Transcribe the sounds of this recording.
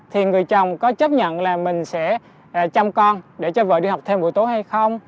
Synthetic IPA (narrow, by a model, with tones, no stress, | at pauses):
t̪ʰi˨˩ŋɨ˨˩əjt͡ɕə˨˩wŋ͡mkɔ˨˦t͡ɕə˦˥p̚ɲə̰˧˨nlaː˨˩mï˨˩ŋ̟sɛ̰˧˥˩ | t͡ɕa˧wŋ͡mkɔ˧nɗe˧˩t͡ɕɔ˧və̰ː˧˨ɗḭ˧ha˨˩wk͡p̚t̪ʰe˧mɓṵ˧˨jt̪o˨˦ɦa˧jxə˧wŋ͡m